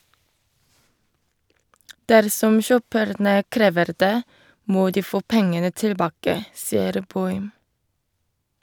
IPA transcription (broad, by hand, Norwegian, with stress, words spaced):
ˈdæɾsɔm ˈçøːpəɾnə ˈkɾeːʋəɾ ˈdeː ˈmoː ˈdiː ˈfoː ˈpɛŋənə tɪlˈbɑːkə ˈsɪəɾ ˈbɔʏm